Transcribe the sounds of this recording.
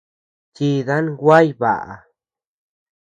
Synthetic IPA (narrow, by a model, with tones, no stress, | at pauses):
t͡ʃi˧ða˦nɡʷa˦jβa̰˨ʔa̰˨